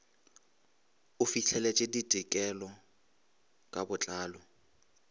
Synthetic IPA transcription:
ʊfiɬʰɛlɛt͡ʃʼɪditɪkʼɛlɔ | kʼabʊt͡ɬʼaːlɔ

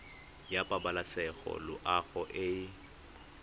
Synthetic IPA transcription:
japʼabalasɛɣɔ̰lʊʔaɣɔʔɪ

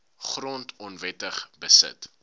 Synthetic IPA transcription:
χrɔntʰɔnvɛtəχbəsə̰t

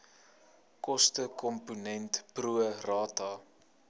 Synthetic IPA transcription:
kɔstəkɔmpunɛntpruərɑːtɑː

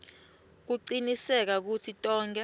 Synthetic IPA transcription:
k̬uǀinisɛk̬ak̬utʰitʼɔːŋɡɛ

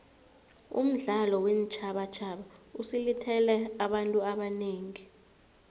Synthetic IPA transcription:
ṵm̩ɮalɔwent͡ʃʰaɓat͡ʃʰaɓausilitʰɛlɛaɓantʼuaɓaneːŋi

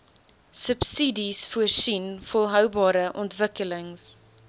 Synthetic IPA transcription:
səpsidisfuərsinfɔlˠɦœwbɑːɾəʔɔntvəkələŋs

